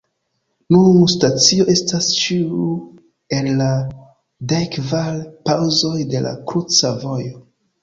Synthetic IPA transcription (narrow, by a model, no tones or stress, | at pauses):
nunustat͡sio̞e̞stast͡ʃiu | ella | dekvalpawzo̞jde̞la̰kɾut͡savo̞jo